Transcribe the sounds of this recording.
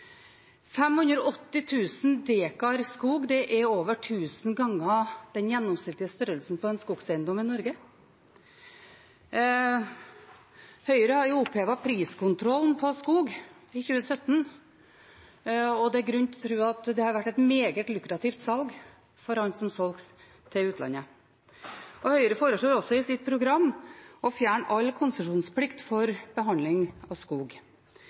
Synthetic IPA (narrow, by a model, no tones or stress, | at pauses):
fɛmhʉnd̪ɾɔɔt̪ːɪt̪ʰʉːsn̩d̪eːkɑɾskuːɡd̪ɛʔæɾoːʋəʈʰʉːsənɡɑŋːɑd̪̥ɛnjɛnːɔmsɪkt̪ːɪəst̪œɾəlsn̩pɔɛnskuːɡsɛɪnd̪ɔmɪnɔɾɡə | hœʏəɾəhɑɾjʊʊpʰːeːʋɑpʰɾiːskʊnt̪ʰɾɔlnpʰɔskuːɡɪçʉːəsœt̪ːn | ɔd̪ɛæɾɡɾʉnt̪ʰɔt̪ʰɾʉːɑt̪d̪ɛhɑɾʋæʈːɛt̪meːɡət̪lʉkɾɑt̪ʰɪft̪sɑlɡ | fɔɾhɑɲsɔmsɔlk | t̪ʰːɪlʉːt̪ʰlɑ̰nə | ʔɔhœʏəɾəfoːɾəʂɭoːɾɔsɔɪsɪt̪̚pʰɾʊɡɾɑmːɔfjæːɳɑlːkʰʊnsəʂuːnspʰlɪkt̪fɔɾbəɦɑnd̪lɪŋɑʋskuːɡ